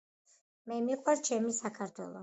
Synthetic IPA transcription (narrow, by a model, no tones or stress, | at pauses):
mɛmiqʼwɛɾt͡ʃʰɛmisakʰaɾt̪ʰwɛ̰lˠɔ̰